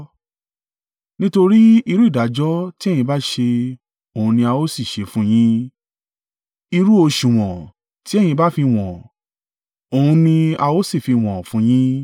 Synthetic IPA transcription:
nĩ˦to˧ɾi˦i˧ɾu˦i˦˨da˨˦d͡ʒɔ˦ti˦ɛ˦˨j̃ĩ˧ba˦ʃe˧ | o˨ũ˧nĩ˧a˧o˦si˦˨ʃe˧˦fũ˦j̃ĩ˦ | i˧ɾu˦o˧ʃũ˨w̃ɔ̃˨ | ti˨˦ɛ˦˨j̃ĩ˧ba˦fi˧w̃ɔ̃˨ | o˨ũ˧nĩ˧a˧o˦si˦˨fi˧w̃ɔ̃˨fũ˨˦j̃ĩ˦

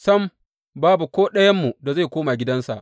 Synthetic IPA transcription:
sɐ˦m | baː˦bu˨kʷoː˦ɗɐ˦jɐ˦mːu˨da˨za˦˨jkʷoː˦ma˨ɡʲɪ˦dɐ˦nsa˨ʔ

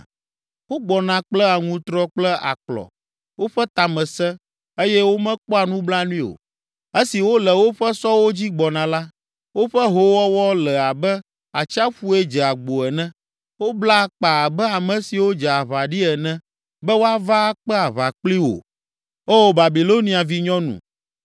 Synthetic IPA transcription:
wo˦ɡ͡bɔ˨nã˨k͡plɛ˦a˨ŋũ˦t̪ɾɔ˦k͡plɛ˦a̰˨k͡plɔ̰˨ | wo˦ɸɛ˦t̪a˨mɛ̃˨sɛ˦ | e˦jɛ˦wo˦mɛ̃˦k͡pɔ˦a˨nũ˦bla˦nũ˦ĩ˦o̰˨ | e˦si˨wo˦lɛ˨wo˦ɸɛ˦sɔ˦wo˦d͡ʑi˦ɡ͡bɔ˨nã˨la˦ | wo˦ɸɛ˦ɦo˨˦wɔ˦wɔ˦lɛ˨a˨bɛ˦ | a˨t͡ʃa˦ɸu˦ɛ˦d͡ʒɛ˨a˨ɡ͡bo˨ɛ˨nɛ̃˦ | wo˦bla˦˨k͡pa˨bɛ˦a˨mɛ̃˨si˨wo˦d͡ʒɛ˨a˨βa˨ɖi˦ɛ˨nɛ̃˦ | bɛ˦wo˦a˦va˦k͡pɛ˦a˨βa˨k͡pli˦wo̰˨ | o˦wo˦ba˨bi˨lo˦nĩ˦a˨vi˦ɲɔ̃˦nṵ̃˨

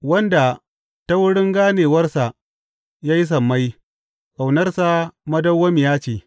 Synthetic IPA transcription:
wɐ˦nda˨ | ta˦wʊ˦ɽɪ˦ŋɡaː˦neː˨wɐ˦rsa˨ʔ | jaː˦ji˦s̬ɐ˨mːa˦j | ʔa˨wnɐ˦rsa˦mɐ˦dɐ˦wːɐ˦mɪ˨jaː˦t͡ʃeː˨

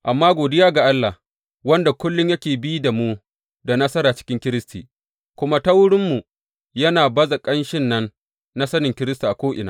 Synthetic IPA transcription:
ʔa˨mːaː˦ɡʷoː˨dɪ˦jaː˦ɡa˨ʔa˦lːa˨h | wɐ˦nda˨kʷʊ˦lːʊ˦ɲjɐ˦kʲeː˨bi˦da˨mu˦ | da˨nɐ˦sɐ˦ɾaː˨t͡ʃɪ̥˦kʲɪ˦ŋkʲɪ˦ɾɪ˦stḭː˨ | kʷʊ˦ma˦ta˦wʊ˦ɽɪ˦mːu˨ | jɐ˦naː˨bɐ˦za˨kʼɐ˦nʃɪ˦nːɐ˦nː | a˦sɐ˦nɪ˨ŋkʲɪ˦ɾɪ˦sta˨ʔa˨kʷoː˦ʔɪ˨na̰ː˦

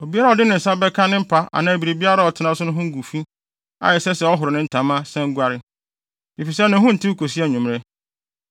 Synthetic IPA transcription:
o˨bi˦a˦ɾa˨ɔ˨dɪ˦nɪ̃˨n̩˨sa˦bɛ˦kʰã˦nɪ̃˦m̩˦pʰa˦a̰˨nãː˨æ˨bi˨ɾe˨bi˦a˦ɾa˦˨ɔ˨tʰɪ˨nã˦sʊ˦ʊ̃˦ɦʊ̃˦ŋ̩˦ɡu˨fi˦ | a̰˨jɛ˨sɛ˦sɛ˨ɔ˦ɦʊ˨ɾʊ˨nɪ̃˦n̩˦tʰã˨mã˦sɛ̃˦ŋ˦ɡʷa˦ɾɪ˦ | i˨fi˨sɛ˦nã˨ɦʊ̃˦n̩˨tʰɪ˦u˦kʰo˨si˦ɛ˦˨ɲũ˨mɾɛ˦

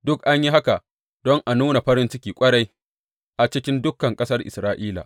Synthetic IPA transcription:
dʊ˦kʔa˦ɲji˦ɦa˦ka˨ | dɔ˦ŋʔa˨nuː˦na˨ɸɐ˦ɾɪ˦nt͡ʃɪ˦kʲiː˨kʷʼɐ˦ɽa˦j | ʔa˨t͡ʃɪ˦kʲɪ˦ndʊ˦kːɐ˨ŋkʼɐ˦sɐ˦rʔɪ̰˨sɾaː˦ʔiː˦la̰˨

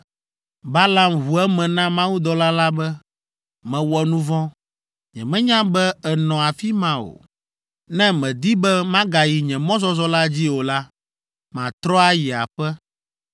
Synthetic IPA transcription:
ba˦la˨mɦu˨ɛ˦mɛ̃˨nã˦mã˦wu˦d̪ɔ˨la˦la˦bɛ˦ | mɛ̃˨wɔ˨nũ˦vɔ̃˦ | ɲɛ̰̃˨mɛ̃˦ɲã˦bɛ˦ɛ˨nɔ̃˨a˨fi˦mã˦o̰˨ | nɛ̃˦mɛ̃˨d̪i˦bɛ˦mã˦ɡa˨ji˨ɲɛ̃˨mɔ̃˦zɔ˦zɔ˦la˦d͡ʑi˦o˨la˦ | mã˨t̪ɾɔ˦a˦ji˨a̰˨ɸɛ˦

